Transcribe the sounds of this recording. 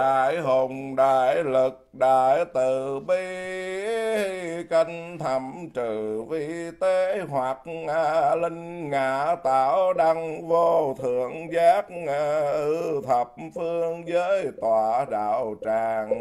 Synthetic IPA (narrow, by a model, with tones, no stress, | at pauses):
aː˧˨jɦo˨˩ŋ͡mɗaː˧˩jlɨ˨˩k̚ɗaː˧˨jt̪ɨ˨˩ɓi˧ | hi˧ka˧ŋ̟t̪ʰə˨˩mt͡ɕɨ˧˨˩vi˧t̪e˨˦ɦwa˨˩t̚a˧lï˧ŋ̟ŋaː˧˩t̪aː˧˩˦wɗa˧ŋvo˧t̪ʰɨ˧˩əŋzaː˦˥k̚a˧˩ʔʔɨ˧t̪ʰə˨˩p̚fɨ˧əŋzəː˨˦jt̪waː˨˩ɗa̰ː˧˩wt͡ɕaː˨˩ŋ